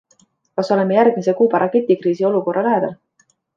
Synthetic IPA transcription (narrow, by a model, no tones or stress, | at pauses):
kɑso̞le̞mːejærɡ̥mise̞kuːbɑɾɑke̞t̪ːˑikriːsio̞luko̞rʔɑlæed̪ɑl